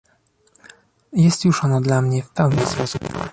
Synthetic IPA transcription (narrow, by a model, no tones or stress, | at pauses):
jɛst̪juʂɔnɔd̪lamɲɛfpɛwɲispɔsup